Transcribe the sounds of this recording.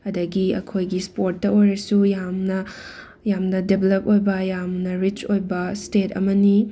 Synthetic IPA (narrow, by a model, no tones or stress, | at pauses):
ɐdɐɡiɐ̰kʰojɡispoɾtːɐojɾɐsujamnɐ | jamnɐdebelɐp̚ojbɐjamnɐɾit͡ʃojbɐstetɐ̰mɐni